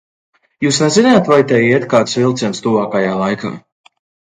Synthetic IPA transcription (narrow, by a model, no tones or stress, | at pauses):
juːsnɛzinajːt̪vajt̪ɛjiɛt̪̚kaːt̪svilˠt̪sɛnst̪uvaːkajaːlˠajkʰa̰ː